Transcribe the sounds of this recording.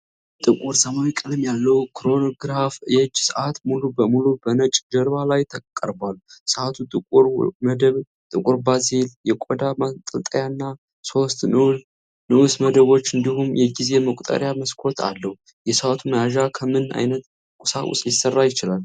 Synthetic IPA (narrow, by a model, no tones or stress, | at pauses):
t̪ʼɨkʼuɾsəmawikʼɨlɨmjalːəwkʰɾo̞noɡɾafjɛd͡ʒsəʔat̪mulubəmulubənət͡ʃʼd͡ʒəɾβalajt̪ʰəkʼə̰ɾbalːsəʔat̪ʰut̪ʼɨkʼuɾməd̪əβ | t̪ʼɨkʼuɾbaziljɛkʷʼod̪amat̪ʼəlt̪ʼəjanːa | so̞st̪nɨ | nɨwusməd̪əβo̞t͡ʃːɨnd̪ihumjɛɡize̞məkʼt̪ʼə̰ɾjaməskʰo̞t̪ʰa̰lːəhu | jɛsəʔat̪ʰuməjaʒakʰəmɨna̰jnət̪ | kʼusaʔʼṵsʼjɪsərːajɪt͡ʃɪlal